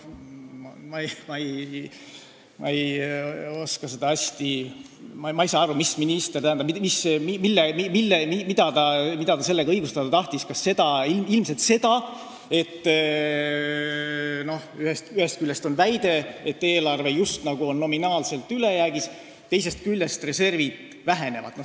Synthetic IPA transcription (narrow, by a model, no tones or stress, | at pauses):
mɑmɑej | mɑ̰ej | o̞skɑsed̪̥ɑɑsʲt̪i | mmɑijsɑɑɾumisminist̪ert̪æhænd̪ɑmimismimilːemimilːemimid̪̥ɑt̪ɑmid̪ɑt̪ɑse̞lːe̞ɡɑɤjɡust̪ɑd̪ɑt̪ɑht̪iskɑsːe̞d̪̥ɑilmilmse̞lt̪se̞d̪̥ɑ | e̞t̪ː | no̞hyhest̪yhe̞st̪̚kylʲːest̪o̞nvæjd̪̥e̞et̪ːe̞ːlɑrve̞just̪nɑɡ̥uo̞nːo̞minɑːlse̞lt̪ːˑyle̞jæːɡ̥is | t̪ːe̞js̬e̞st̪̚kylʲːe̞st̪re̞se̞rvid̪̥ | væɦe̞ne̞vɑ̰d̪̥no